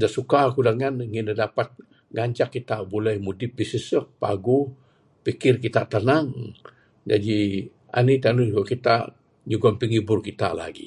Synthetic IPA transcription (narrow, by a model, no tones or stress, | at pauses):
daʔsukakudaŋanŋɪnədapat̪̚ | ŋaɲt͡ʃakːit̪aʔbolɛhmudɪp̚bisisək̚paɡu | pikɪrkit̪aʔt̪ənaŋ | d͡ʒa̰di | a̰nit̪anuuɡaʔkit̪a̰ʔ | ɲuɡanpəŋibʊrkit̪a̰la̰ɡḭ